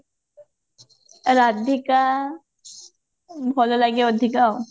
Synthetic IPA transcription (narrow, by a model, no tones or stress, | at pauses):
ɾad̪ika | bʱɔlolaɡeəd̪ʱika